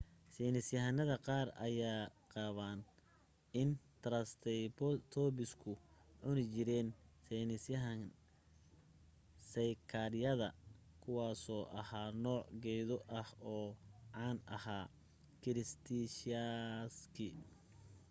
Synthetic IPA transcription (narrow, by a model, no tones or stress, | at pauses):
sɛːnɪsjɐɦɐnɐðɐqɑːrɐ̰jaːqɑːβaːn | ɪnt̪ʰɾɐst̪ʰɛjt̪ʰɔːbɪskʰʊʕʊnɪt͡ʃɪɾɛːnsɛnɪsjɐɦɐn | sɐjkʰɐɾɪjɐðɐ | kʰʊwɑːsɔːʔɐhaːnɔːʕɡɛjðɔʔɐhɔːʕɑːnʔɐ̰haː | kʰɪɾɪst̪ʰiʃaskʰɪ